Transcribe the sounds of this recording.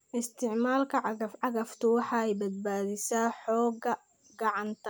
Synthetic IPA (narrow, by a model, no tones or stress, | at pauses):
ʔɪst̪ʰɪʕmaːlkʰɐʕɑɐfɑɣɐft̪ʰʊwɑħɑɛjbɐd̪̚baːðɪsaːħɔːɡɐ | ɡɑʕɑnt̪ʰɐ̥